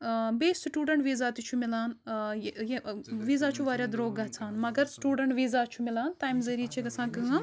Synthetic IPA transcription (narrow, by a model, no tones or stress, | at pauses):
beːsʈuːɖɐɳʈʋiːzaːt̪it͡ʃʰumilaːnjjeʋiːzaːt͡ʃʰuʋaːɾʲjad̪ɾoːɡɡɐɦt͡sʰaːnmɐɡɐɾsʈuːɖɐɳʈʋiːzaːt͡ʃʰumilaːnt̪aːjmzɐɾiːt͡ʃʰiɡɐsãːkɐŋɐ